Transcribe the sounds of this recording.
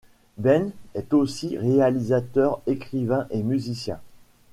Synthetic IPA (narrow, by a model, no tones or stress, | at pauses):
bɛnɛt̪osiʁealizat̪œʁekχivɛ̃ʔemyzisjɛ̰̃